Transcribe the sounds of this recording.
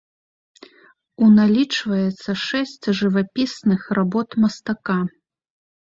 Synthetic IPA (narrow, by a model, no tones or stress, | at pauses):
unalʲit͡ʂvɐjɛt̪sːɐʂɛsʲt͡sʲʐɨvapʲisnɨxrabɔt̪mɐst̪aka